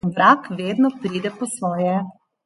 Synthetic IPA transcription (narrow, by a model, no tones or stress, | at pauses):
ʋɾaːkʋeːd̪nɔpɾiːd̪ɛpɔsʋɔːjɛ